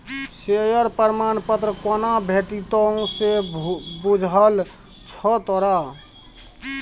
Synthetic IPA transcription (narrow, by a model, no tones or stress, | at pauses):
sejəɾpəɾmanpət̪ɾəkɔnabʱeʈit̪ɔũsebud͡ʒʱɦəl | t͡ʃʰɔt̪ɔɾa